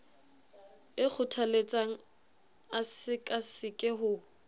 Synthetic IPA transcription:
ɪk͡xʰʊtʰalet͡sʼaŋ̩ | asɪkʼasɪkʼɪɦʊ

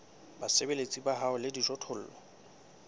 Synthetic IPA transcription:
basebelet͡sʼibaɦaʊlɪdiʒɔtʰʊl̩ːlɔ

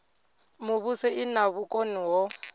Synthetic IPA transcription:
mʊβusɛʔɪnaβukʼoniwɔ

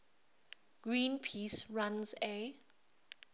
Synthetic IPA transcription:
ɡ̥ɹĩːnpʰiːsɹãnze

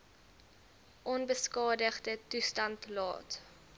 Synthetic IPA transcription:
ʔɔnbəskɑːdəχdətustɐntlɑ̰ːt

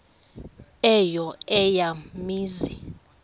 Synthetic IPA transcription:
ɛjɔɛjamiːzi

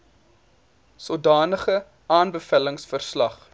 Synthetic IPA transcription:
sodɑːnəχə | ɑːnbəfæləŋsfərslɐχ

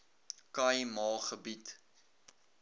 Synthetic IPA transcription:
kɐjmɑːχəbit

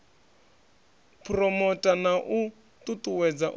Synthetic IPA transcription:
pʰrɔmɔtʼanaʔu | tʼutʼuwɛd͡zaʔ

